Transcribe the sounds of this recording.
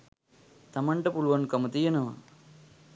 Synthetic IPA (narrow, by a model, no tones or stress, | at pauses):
t̪ɐmɐɳɖɐpuɭʋɐnkɐmɐt̪ijɐnɐʋɐ̰